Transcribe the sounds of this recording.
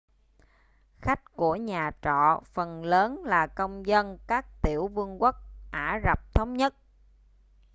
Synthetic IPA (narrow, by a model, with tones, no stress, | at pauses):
xa˦˥jk̟̚ku˧˩əɲaː˨˩t͡ɕɔ̰˧˨fə˨˩nləː˨˦nlaː˨˩kə˧wŋ͡mzə˧nkaː˦˥k̚t̪i˧˩əwvɨ˧əŋkwə˦˥k̚ʔaː˧˩za˨˩p̚t̪ʰə˨˦wŋ͡mɲə˦˥t̚